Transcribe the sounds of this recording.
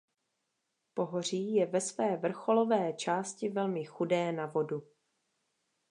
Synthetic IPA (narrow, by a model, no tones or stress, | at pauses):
po̞ɦor̝iːjɛvɛsvɛːvr̩xo̞lo̞vɛːt͡ʃaːscɪvɛlmɪxudɛːnavo̞du